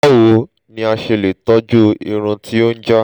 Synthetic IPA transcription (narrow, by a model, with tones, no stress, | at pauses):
wo˨˦ | nĩ˧a˧ʃe˧le˨tɔ˦d͡ʒu˦ḭ˧ɾ̃ũ˧tʰi˦o˦n̩˦d͡ʒa˦